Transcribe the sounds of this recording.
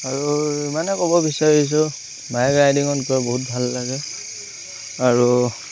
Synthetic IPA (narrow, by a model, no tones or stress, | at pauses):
aɹuimanɛkɔbɔbisaɹis̬ʊ | majɡɹajdiŋɔnkɔɛboɦut̚bʱalːaɡɛ | aɹu